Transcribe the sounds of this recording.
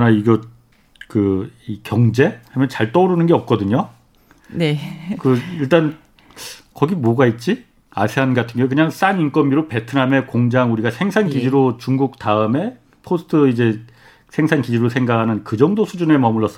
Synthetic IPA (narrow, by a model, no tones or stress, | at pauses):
kɯʌnaiɡʌ | kɯikjʌŋd͡ʑe̞hamjʌnt͡ɕaɭt͈ʌɾɯnɯnɡeʌp̚k͈ʌdɯɲo | nekɯiɭt͈an | kʌɡimoɡait̚t͡ɕ͈i | a̰sʰeɦanɡɡatʰɯŋɡejokɯɲaŋs͈anink͈ʌmbiɾope̞tʰɯname̞koŋd͡ʑaŋuɾiɡasʰe̞ŋsʰankid͡ʑiɾot͡ɕuŋɡuk̚taɯme̞ | pʰosʰɯ̥tʰɯid͡ʑe̞ | sʰe̞ŋsʰankid͡ʑiɾosʰeŋɡakʰanɯnkɯd͡ʑʌŋdosʰud͡ʑunemʌmɯɭːʌs͈ʌ